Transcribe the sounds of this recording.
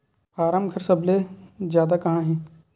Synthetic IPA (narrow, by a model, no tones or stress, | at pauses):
paːɾaːmkʰəɾsɐblezjaːd̪akɐɦãɦɛ̃ː